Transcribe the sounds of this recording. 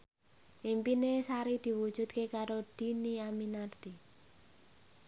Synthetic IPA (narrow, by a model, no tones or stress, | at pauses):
ʔimpinesaɾid̪̥i̤wu̥ʒ̥ṳt̪̚kekaɾod̪̥i̤niaminart̪i